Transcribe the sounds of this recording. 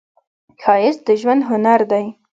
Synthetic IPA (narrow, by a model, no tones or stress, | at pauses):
kʰɑjɪsd̪əʒwand̪ɦʊnaɾd̪aj